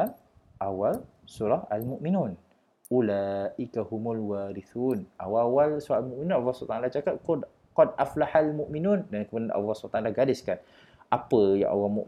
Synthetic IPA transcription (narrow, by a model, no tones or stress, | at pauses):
an | ʔawal | suɾahalmuʔminun | ʔulaːʔikahumulwaːɾiθunʔa̰wawalsuɾʔalmũʔmĩnũnawasut̪anlaht͡ʃakat̪̚kʊd | kɔd̚ʔaflahalmuʔminundankəmunana̰wasut̪aŋlahɡadɪskan | ʔapəjã̰ŋʔa̰walmu